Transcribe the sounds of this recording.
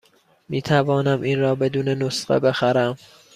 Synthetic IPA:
miːt̪ʰævɒːnæmʔiːnɾɒːbe̞d̪uːnenosɢḛbe̞xæɾæm

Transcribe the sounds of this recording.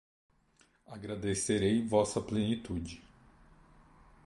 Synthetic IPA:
aɡɾad̪eseɾejvɔsɐplenit̪ud͡ʒɪ

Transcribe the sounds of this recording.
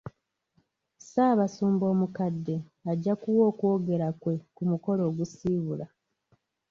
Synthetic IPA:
saːβasuːmbo̞ːmukadːe̞aɟːakuwo̞ːkwo̞ːɡe̞ɾakwe̞kumuko̞lo̞ːɡusiːβula

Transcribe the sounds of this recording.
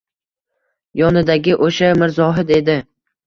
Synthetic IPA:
jɒnɪd̪aɡʲɪʔoʃamɪɾzɒɦɪd̪e̞d̪ɪ

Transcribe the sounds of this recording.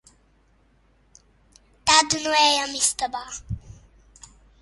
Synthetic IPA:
t̪ad̪unuɛjamist̪əba

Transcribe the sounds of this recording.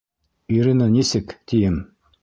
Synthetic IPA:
iɾinɑnisɘkt̪ijɘm

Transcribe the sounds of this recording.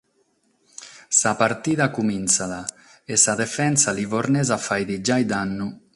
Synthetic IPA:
sapaɾt̪iðakuminsaða | esaðefɛnsalivoɾnezafajd̪id͡ʒajd̪anːu

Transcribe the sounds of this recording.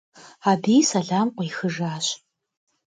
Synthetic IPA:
aːbiːjsɐɮaːmqʷijxɨʐaːɕ

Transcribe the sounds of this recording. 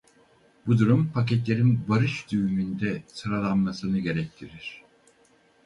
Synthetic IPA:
bud̪uɾumpʰac̬ɛt̪lʲe̞ɾinbaɾɯʃd̪yvymynd̪ɛsɯɾalˠanmasɯnɯɟe̞ɾɛc̚t̪ʰiɾiɾ̥

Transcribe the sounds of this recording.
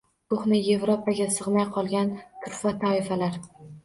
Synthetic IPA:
koχnɪje̞vɾopʰaɡʲasɨʁnajqʰɒlˠɡʲant̪ʰʊɾfat̪ʰaɪfalaɾ

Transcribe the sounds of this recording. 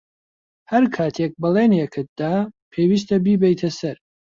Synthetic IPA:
hɐɾkʰaːt̪ʰek̚bɨlˠeːnjekʰɨt̪̚d̪̥aːpʰeːwiːst̪ɐbiːbɛjt̪ʰɐsɐɾ

